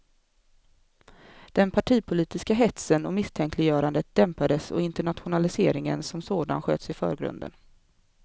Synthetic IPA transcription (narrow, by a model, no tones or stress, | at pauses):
d̪̥ɛnpʰaʈʰiːpʰʊliːt̪ɪskaɦɛt̪sənɔmɪst̪ʰɛŋklɪjœːɾand̪ət̪̚d̪̥ɛmpad̪əsɔ̰ɪnt̪əɳat̪ɧʊnalɪsḛːɾɪŋənsɔmsoːd̪a̰nɧø̰ːt̪sɪfœ̰ːɾɡɾɵ̰nd̪ə̰n